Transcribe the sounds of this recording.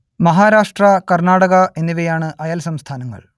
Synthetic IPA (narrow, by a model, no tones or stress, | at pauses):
mɐɦaːɾaːʂʈrɐkɐrnaːɽɐɣɐʔe̞nːiʋɐjaːɳɨʔɐjɐlsɐmst̪ʰaːnɐŋːɐ̰ɭ